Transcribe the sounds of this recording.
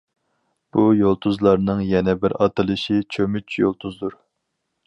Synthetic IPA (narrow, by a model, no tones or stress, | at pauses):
b̥ujolˠt̪ʰuzlˠɑɾnɨŋjɛnɛbɪɾɑt̪ʰɨlˠɨʃit͡ʃʰømyt͡ʃʰjo̰lˠt̪ʰuzd̪uɾ